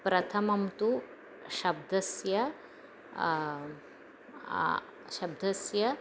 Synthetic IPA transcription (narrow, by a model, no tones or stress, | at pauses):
pɾɐt̪ʰɐmɐmt̪u | ɕɐb̚d̪ʱɐsjɐ | ɕɐb̚d̪ʱɐsjɐ